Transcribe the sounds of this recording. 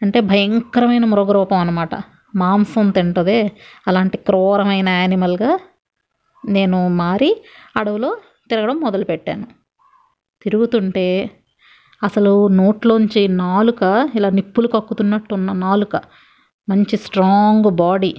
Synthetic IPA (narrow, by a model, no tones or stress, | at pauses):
ɐɳʈe̞ːbʱɐjɐŋkɾɐmɐjnɐmuɾoɡɐɾɔːpɐmɐnːɐmaːʈɐ̰ | maːmsɐnt̪iɳʈɐd̪eːɐlaːɳʈikɾɔːɾɐmɐjnɐaːnimɐlɡaː | ne̞ːnumaːɾiɐɽɐʋulo̞ː | t̪iɾɐɡɐɽɐmːɔd̪ɐlupɛʈːa̰ːnu | t̪iɾuɡut̪uɳʈe̞ː | ɐsɐluno̞ːʈloːuɲt͡ʃinaːlukɐilaːnipːulukɐkːut̪unːɐʈːunːɐnaːlukɐ | mɐɲt͡ʃisʈɾaːŋɡbaːɽi